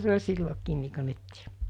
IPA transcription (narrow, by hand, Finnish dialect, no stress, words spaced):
se olʲ silːokiːn̆ niː ko nytːi̥ː